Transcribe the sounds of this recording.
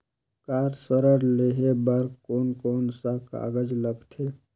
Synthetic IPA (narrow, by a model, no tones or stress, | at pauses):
kaːɾsəɾəɾleɦebaɾkɔːnkɔːnsaka̰ːɡəd͡ʒləɡt̪ʰeː